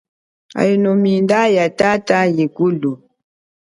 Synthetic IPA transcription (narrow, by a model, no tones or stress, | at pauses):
a̰jinomindajatatajikulu